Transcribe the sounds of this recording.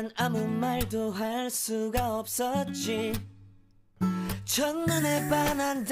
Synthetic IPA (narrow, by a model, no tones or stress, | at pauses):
namumaɭdoɦaɭs͈uɡaʌp̚s͈ʌt̚t͡ɕ͈i | t͡ɕʰʌŋmɯne̞panand͡ʑ